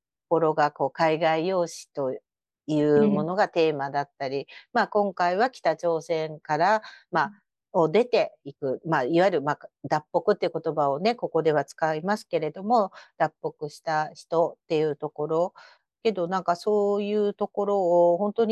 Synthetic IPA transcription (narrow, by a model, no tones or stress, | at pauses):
t̪oko̞ɾo̞ɡako̞ːkaiɡaijo̞ːɕi̥t̪o̞ | jɯ̟ːmo̞no̞ɡat̪e̞ːmad̪at̪ːaɾʲimaːkõ̞ŋkaiβakʲi̥t̪at͡ɕo̞ːsẽ̞ŋkaɾama | od̪e̞t̪e̞ikɯ̟maiβaiɾɯ̟mad̪apːo̞kɯ̟t̪ːeiɯ̟ko̞t̪o̞bao̞ne̞ko̞ko̞d̪e̞β̞at͡sɨ̥kaimasɨ̥ke̞ɾe̞d̪o̞mo̞d̪̥apːo̞kɯ̟ɕi̥t̪açi̥t̪o̞t̪ːe̞jɯ̟ːt̪o̞ko̞ɾo̞ | ke̞d̪o̞nãŋkaso̞ːjɯ̟ːt̪o̞ko̞ɾo̞ːhõ̞nt̪o̞ɲ̟